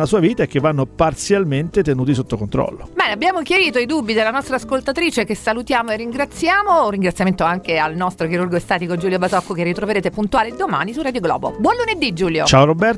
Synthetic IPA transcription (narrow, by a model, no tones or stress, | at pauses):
lasuːaviːt̪aek̟ːevːanːopart̪sjalment̪et̪enuːt̪isot̪ːokont̪ɾɔ̰lːo̰bɛːneabːjaːmok̟jaɾiːt̪oid̪ubːid̪elːanɔst̪ɾaːskolt̪at̪ɾiːt͡ʃekesalut̪jaːmoerːiŋɡɾat̪sjaːmorːiŋɡɾat̪sjament̪oaŋkealnɔst̪ɾok̟iɾurɡoest̪aːt̪ikod͡ʒuːljobazɔkːokerːit̪ɾoveɾeːt̪epunt̪uaːled̪ːoma̰ːnisurad̪joɡlɔ̰ːbo̰bwɔnluned̪ːid͡ʒuːljot͡ʃaoɾobɛr